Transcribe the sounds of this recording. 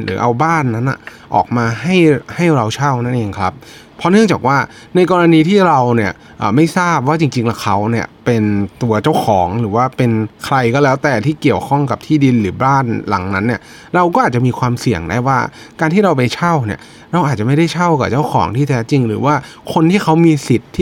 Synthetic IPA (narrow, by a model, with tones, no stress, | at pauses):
ɾɯ̰ː˩˦ʔa˧wbaː˥˩nːa˦˥nʔa̰˨˩ʔɔ̰ː˨˩k̚maː˧ɦa˥˩jha˥˩jɾa˧wt͡ɕʰa˥˩wna˥˩nʔeː˧ŋkʰɾa˦˥p̚ʰː | ɔ˦˥nɯ˥˩əŋt͡ɕaː˨˩k̚waː˥˩ | na˧jkɔː˧ɾa˧niː˧t̪ʰiː˥˩ɾa˧wni˥˩ə | ʔə̰ː˨˩ma˥˩jsaː˥˩p̚waː˥˩t͡ɕi˧ŋt͡ɕi˧ŋlɛ˦˥kʰa˦˥wni˥˩ɐpe˧nt̪u˧ɐt͡ɕa˥˩wkʰɔː˩˦ŋɾɯː˩˦waː˥˩pe˧nkʰɾa˧jkɔː˥˩lɛː˦˥wt̪ɛː˨˩t̪ʰiː˥˩ki˨˩əwkʰɔ˥˩ŋka˨˩p̚t̪ʰiː˥˩di˧nɾɯː˩˦baː˥˩nla̰˨˩˦ŋna˦˥nːi˥˩ɐ | ɾa˧wkɔː˥˩ʔaː˨˩t͡ɕa˨˩ʔmiː˧kʰwaː˧msi˨˩əŋdaː˥˩jwaː˥˩ | kaː˧nt̪ʰiː˥˩ɾa˧wp̬a˧jt͡ɕʰa˥˩wnḭ˧˥˩ə | ɾa˧wʔaː˨˩t̪̚t͡ɕa˨˩ma˥˩jda˥˩jt͡ɕʰa˥˩wka˨˩t͡ɕa˥˩wkʰɔ̰ː˩˦ŋt̪ʰiː˥˩t̪ʰɛː˦˥t͡ɕi˧ŋɾɯː˩˦waː˥˩kʰo˧nt̪ʰiː˥˩kʰa˦˥wmiː˧si˨˩t̪ʰː